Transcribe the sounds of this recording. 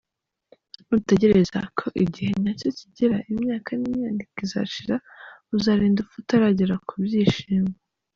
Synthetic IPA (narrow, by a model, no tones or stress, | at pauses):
mute̞ɟe̞ɾe̞za̰kʰo̞ʔiɟihe̞naco̞ciɟiɾaʔimɲaːkanimɲaːndikiza̰ʃiɾauzaɾiːndufutaɾaɟiɾakʰubjiːʃiːmɡa